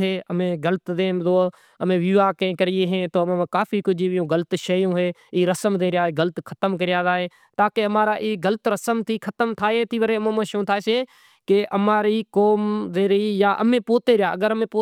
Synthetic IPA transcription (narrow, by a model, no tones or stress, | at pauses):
eːəmẽːɡələt̪d̪ẽːzoː | əmẽːʋiːʋaːkẽːkəɾɪjeːɦẽːt̪oːmeãːkaːfʰiːkʊd͡ʒiːʋɪjõːɡələt̪ʃəjõːɦeːiːɾəsəmd̪ẽːɾɪjaːɡələt̪kʰə̥t̪əmk̬əɾɪjaːzaːɦeː | t̪aːkeːəmaːɾaːʔiːɡəlt̪ɾəsəmt̪ʰiːkʰət̪əmt̪ʰaːɦeːt̪ʰiːʋəɾeːmemãːʃõːt̪ʰaːseː | keʔəmaːɾiːkoːmd̪eːɾəiːjaːʔə̰mẽːpoːt̪eːɾɪjaːə̰ɡəɾəmẽːpoː